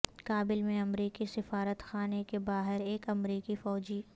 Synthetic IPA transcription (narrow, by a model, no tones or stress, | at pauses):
kaːbɪlmẽɐmɾiːkisɪfaːɾət̪xaːnekebaːɦɪɾeːkɐmɾiːkifɔːd͡ʒiː